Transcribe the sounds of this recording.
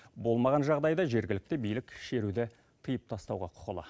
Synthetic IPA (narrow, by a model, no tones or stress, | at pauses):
bo̞lˠmɑʁɑnʒɑʁd̪ɑjd̪ɑʒe̞ɾɡʲɪlɪk̚t̪ɪbijlɪkʃe̞ɾud̪ɪ | t̪ʰəjəp̚t̪ʰɑst̪ɑ̰wʁɑ̰qʰʊ̥qəlˠɑ̰